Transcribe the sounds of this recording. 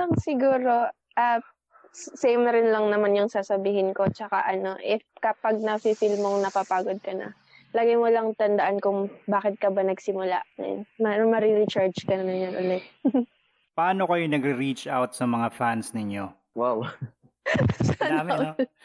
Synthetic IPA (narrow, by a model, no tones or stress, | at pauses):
ɐŋsɪɡuːɾo̞ | ʔa | ssejmɾɪnlɐŋnɐmanjʊŋsaːsɐbiːhɪnko̞t͡ʃɐka̰ʔɐno̞ʔɪfkɐpaɡ̚nɐsisɪlmoŋnɐpapaːɡod̪̚kɐnɐ̰ | lɐɡɐjmolɐŋt̪ɐnd̪ɐʔankʊŋbaːkɪt̪̚kɐbanɐɡsɪmʊla̰ʔɛ̰nmɐmɐɾiɾɪt͡ʃaɹd͡ʒkɐnɐmɐɲanʔʊlɛt̪̚ | pɐaːnokɐjonɐɡɾɪɾit͡ʃʔawt̪̚sɐmɐŋafansnɪɲo | waw | samɪo